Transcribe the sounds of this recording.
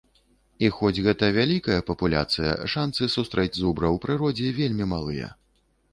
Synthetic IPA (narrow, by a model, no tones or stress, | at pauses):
ixɔd͡zʲɣɛt̪ɐvʲalʲikɐjɐpɐpulʲa̰t̪sɨjɐ̰ʂant̪sɨsust̪ɾɛd͡zʲzubɾɐwpɾɨɾɔd͡zʲɛvʲelʲmʲimalˠɨjɐ̰